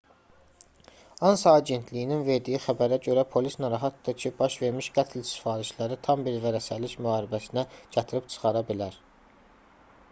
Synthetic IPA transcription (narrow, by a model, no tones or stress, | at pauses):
ɑnsɑːɟe̞nt̪ʰlijininve̞ɾd̪ijixæbæɾæɟø̞ɾæpʰo̞lisnɑɾɑɦɑt̪d̪ɑcʰibɑʃve̞ɾmiʃɡæt̪ʰlsi̥fɑːɾiʃlæɾit̪ʰɑmbiɾvæɾæsæliçmyhɑːɾibæsinæɟ̥æt̪ʰiɾipt͡ʃʰɯ̥χɑɾɑbilæɾ